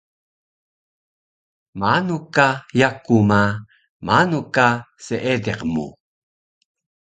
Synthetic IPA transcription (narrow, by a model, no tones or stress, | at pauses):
manukajakuma | manukaseʔedeqmṵ